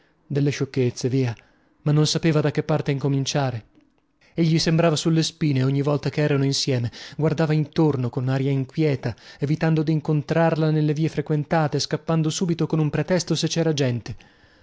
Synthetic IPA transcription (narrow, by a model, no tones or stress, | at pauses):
d̪elːeʃokːet̪sːeviːa | manːonsapeːvad̪akːepːart̪eiŋkomint͡ʃaːɾe | eʎːisembɾaːvasulːespiːneoɲːivɔlt̪akeɛːɾanoinsjɛːmeɡward̪aːvaint̪ornokonaɾjaiŋkwjɛːt̪aevit̪and̪od̪iːŋkont̪ɾarlanelːeviːefɾekwent̪aːt̪eskapːand̪osuːbit̪okonumpɾet̪ɛst̪oset͡ʃːɛːɾad͡ʒɛnt̪e